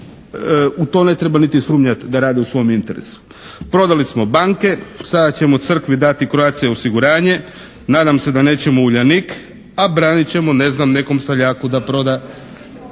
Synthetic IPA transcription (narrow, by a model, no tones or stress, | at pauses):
ut̪o̞ːne̞t̪ɾebanit̪isuːmɲat̪d̪aɾaːd̪iusʋo̞jomint̪eɾḛsu̥ | pɾo̞d̪alismo̞baŋke̞sad̪at͡ɕe̞mot̪sr̩kʋid̪at̪ikɾoat̪sijeosiɡuɾaːɲe̞ | naːd̪amse̞d̪ane̞ːt͡ɕe̞mouʎanik | abɾaːnit͡ɕe̞mo̞ne̞znamne̞ko̞msaʎaːkud̪apɾo̞d̪a